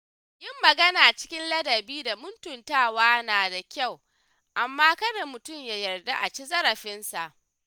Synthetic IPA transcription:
ʔɪ˦mːɐ˨ɡɐ˦naː˨t͡ʃɪ̥˦kʲɪ˦nlɐ˦dɐ˨biː˦da˨mʊ˦ntʊ˨ntaː˦˨waː˦naː˨da˨kʲa˦˨w | ʔa˨mːaː˦kɐ˦ne˨mʊ˨tʊ˦˨mjaː˨jɐ˨rda˦ʔa˨t͡ʃi˦zɐ˦ɾɐ˨ɸɪ˦nsa˨ʔ

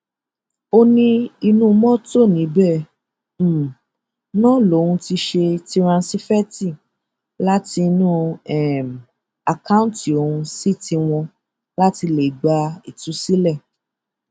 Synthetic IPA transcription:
o˧nĩ˧i˧nũ˦mɔ̃˦to˦˨nĩ˨˦bɛ˦˨˦ | nɔ̃˦lo˨˦hũ˧ti˧ʃe˧ti˦ɾ̃ã˧n˦si˦fɛ˦ti˦˨ | la˦ti˧nũ˦ɛ˦˨m˨ | a˨kã˦ti˨o˨hũ˧si˦ti˧w̃ɔ̃˧ | la˦ti˧le˨ɡ͡ba˧i˨tũ˨˦si˦lɛ˦˨

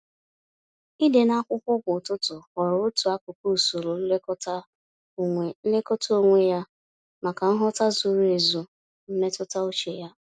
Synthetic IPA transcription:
i˦de˨na˦kʷʊ˦kʷɔ˦kʊ˨tʊ˦tʊ˨kɔ˨ɾʊ˨ʊ˦tu˨a˦kʊ˨ko˦˨so˨ɾo˨n̩˦le˦kɔ˦ta˦˨ | ŋʷe˨n̩˦le˦kɔ˦to˦ŋʷe˦ja˦ | ma˨ka˨n̩˦ɦɔ˦ta˦zu˨ɾe˨zu˨ | m̩˦me˦tʊ˦ta˦o˦t͡ʃe˨ja˦

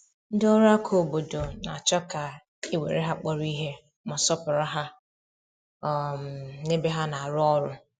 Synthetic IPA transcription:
n̩˦dɔ˦ɾʊ˦a˦kʰo˦˨bo˨do˨na˨a˨t͡ʃɔ˦ka˨ | e˦wḛ˨ɾe˦ɦa˦k͡pɔ˦ɾi˦ɦe˦ | ma˨sɔ˦pʊ˨ɾa˦ɦa˦˨ | m̩˨ne˦be˦ɦa˦na˨a˨ɾʊ˦ɔ˦ɾʊ˦

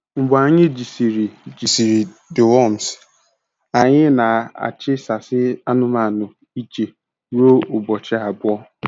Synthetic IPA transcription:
ŋ͡m̩˨bʊ˨a˨ɲɪ˦d͡ʒi˨si˨ɾi˨d͡ʒi˨si˨ɾi˨ | dɪ˨wɔ˦m˨s | a˨ɲɪ˦na˨a̰˨t͡ʃɪ˦sa˨sɪ˦a˦nʊ˦ma˨nʊ˨ | i˦t͡ʃe˨ | ɾo˦ʊ˨bɔ˨t͡ʃɪ˦a˨bʊ˦ɔ˦

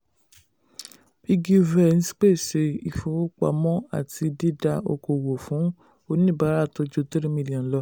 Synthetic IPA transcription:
i˧ɡi˧vɛ˦˨ñ̩˦si̥˦k͡pe˦˨se˧i˧˨fo˧o˦k͡pa̰˨˧˨mɔ̃˦a̰˦˨ti˧di˦da˧o̰˧ko˨wo˨fũ˨˦ | o˦˧nĩ˦˨ba˦ɾa˦˨to˧˦d͡ʒo˧ti˦ɾi˦mĩ˧li˨ɔ̃˨n̩˨˦lɔ˧˦

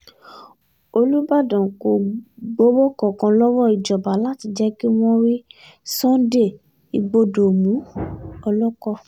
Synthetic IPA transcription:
o˧lu˦ba˦˨dɔ̃˨ko˨ɡ͡bo˦bo˦kɔ˨kã˧lɔ˦wɔ˦˨i˨d͡ʒɔ˨ba˨la˦ti˧d͡ʒɛ˦ki˦w̃ɔ̃˦ɾi˦ | sɔ̃˦de˦˨ | i˧ɡ͡bo˧do˨mũ˨˦ɔ˧lɔ˦kɔ˦˨

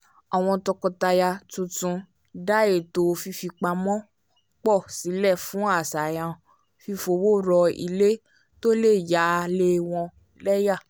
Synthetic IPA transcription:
a˨w̃ɔ̃˧tɔ˧kɔ˧ta˧ja˧tũ˧tũ˧ | da˦je˨to˧˨˧fi˧fi˧k͡pa˧mɔ̃˦ | k͡pɔ˦˨si˨˦lɛ˦˨fũ˨˦a˦˨sa˨jã˧ | fi˧fo˧wo˦ɾɔ˧ḭ˧le˦ | to˦le˦˨ja˨˦˧le˦w̃ɔ̃˧ | lɛ˦ja˦˨

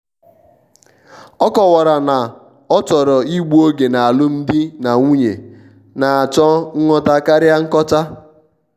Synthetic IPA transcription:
ɔ˦kɔ˨wa˨ɾa˨na˨ | ɔ˦t͡ʃɔ˨ɾɔ˨i˦ɡ͡bu˦o˦ɡe˨na˨a˨lʊ˦n̩˦dɪ˦na˨ŋu˦ɲe˨ | na˨a˨t͡ʃɔ˦ŋ̩˦ŋɔ˦ta˦ka˦ɾja˦ŋ̩˦kɔ˦t͡ʃa˦

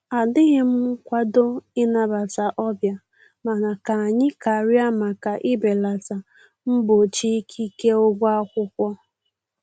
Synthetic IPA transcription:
a˨dɪ˦ɣɪ˦m̩˦kʷa˦do˦ɪ˦na˦˨ba˨ta˨ʔɔ˦bja˨ | ma˨na˨ka˨a˨ɲɪ˦ka˨ɾja˦ma˨ka˨ʔɪ˦be˨la˨ta˨ | m̩˦bo˨t͡ʃi˦kʰi˦ke˦o˦ɡʷa˦kʷʊ˦kʷɔ˦

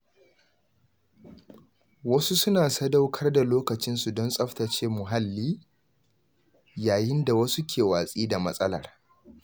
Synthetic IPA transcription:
wɐ˦su˦sʊ˦naː˨sɐ˦da˦wkʰɐ˦rda˨loː˦kɐ˨t͡ʃɪ˦nsu˨dɔ˦nsʼɐ˦ɸtɐ˨t͡ʃeː˦mʊ˨ɦa˦lːiː˦ | jaː˨jɪ˦nda˨wɐ˦su˦kʲʰeː˨waː˨sʼiː˦da˨mɐ˦sʼɐ˦lɐ̰˨r

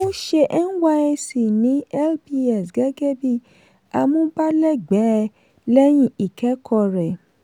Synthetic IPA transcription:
mõ˦ʃe˧ʔɛ˦n̩˦wa˧ɛ˧si˨nĩ˨˦ɛ˦˨lbi˧ɛ˨sɡɛ˨˦ɡɛ˦bi˦˨ | a˧mõ˦ba˦lɛ˦˨ɡ͡bɛ˨˦˧ | lɛ˦j̃ĩ˦i˨kɛ˨˦kʰɔ˧ɾɛ˨

